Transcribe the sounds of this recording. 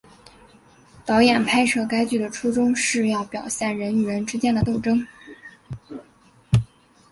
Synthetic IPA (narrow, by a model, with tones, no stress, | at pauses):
t̪ɑ˧˥ʊjɛ˨˩npʰa˥ɪʈ͡ʂʰɤ˥˩ka˥ɪt͡ɕy˥˩d̪ə˩ʈ͡ʂʰu˥ʈ͡ʂʊ˥ŋʂɻ̩˥˧jɑ˥˩ʊpjɑ˨˩ʊɕjɛ˥˩nɻə˧˥ny˨˩ɻə˧˥nʈ͡ʂɻ̩˥t͡ɕjɛ˥nd̪ə˨t̪o˥˩ʊʈ͡ʂɤ˥ŋ